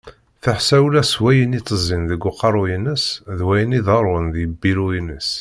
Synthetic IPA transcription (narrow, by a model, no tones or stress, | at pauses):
θəħsæwlæswæjənit͡s̪ˤːəzˤinðəɡʊqɑɾˤujənəsðwæjəniðɑɾˤənðjəbːiɾujənəs